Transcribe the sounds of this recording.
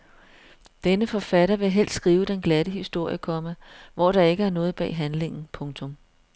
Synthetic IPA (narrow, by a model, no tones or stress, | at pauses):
d̥enəfɒ̽fæɾɐʋe̝ɦel̰d̥sɡ̥ʁiːʊd̥enɡ̥læɾ̥əɦisd̥o̝ɐ̰jəkʰɒ̽mæʋɒɾ̥ɑ̈e̝ɡ̥əæɐnɔ̽ːð̩ˠb̥ɛ̰ːɦænle̝ŋn̩pʰɔ̽ŋt͡sʰɔ̽m